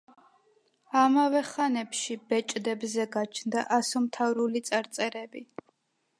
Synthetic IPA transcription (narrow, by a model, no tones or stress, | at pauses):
amavɛχanɛpʃib̥ɛt͡ʃʼd̪ɛbzɛɡat͡ʃʰnd̪aʔasɔmt̪ʰavɾulit̪sʼaɾt̪sʼɛɾɛbi